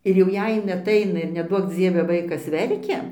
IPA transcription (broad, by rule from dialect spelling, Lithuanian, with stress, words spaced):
ɪr jɛʊ ˈjɛɪ ˈjɪn ɐˈtɐɪnɐ ɪr nʲɛˈduɔk d͡zʲiɛʋʲɛ ˈʋɐɪkɐs ˈʋʲɛrʲkʲɛ